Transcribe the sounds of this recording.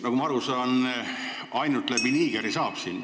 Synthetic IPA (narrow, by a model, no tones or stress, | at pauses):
nɑɡumɑɑɾusɑn | ɑjnult̪læb̥iniːɡ̥eɾisɑːb̥sin